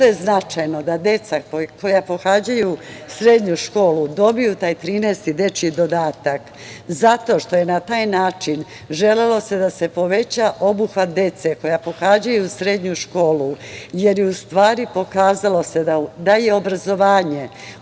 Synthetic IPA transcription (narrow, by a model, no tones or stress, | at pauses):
t̪ojeznat͡ʃajno̞d̪ad̪e̞t̪sako̞japo̞xad͡ʑajusɾe̞d̪ɲuʃko̞ːlud̪o̞bijut̪aːjt̪ɾiːneːst̪id̪e̞t͡ʃid̪o̞d̪aːt̪ak | zat̪o̞ʃt̪o̞jenat̪aːjnaːt͡ʃin | ʒe̞lelo̞se̞d̪ase̞po̞ʋe̞t͡ɕaʔo̞buxʋat̪̚d̪e̞t̪se̞ko̞japo̞xaːd͡ʑajusɾe̞d̪ɲuʃko̞ːluje̞ɾjeust̪ʋaːɾipo̞kaːzalo̞se̞d̪ad̪aje̞o̞bɾazo̞ʋaːɲe̞